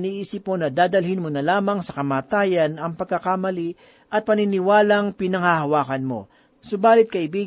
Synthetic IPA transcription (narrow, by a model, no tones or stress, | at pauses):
niʔiːsɪpmonɐd̪aːd̪ɐlhɪnmonɐlaːmɐŋsɐkɐmaːt̪aːjɐnɐŋpɐɡ̚kːɐkamɐli | ʔɐt̪̚pɐnɪnɪwaːlɐŋpɪnɐŋhahɐwaːkɐnmo̞̰ | sobaːlɪt̪̚kɐʔɪbiːɡ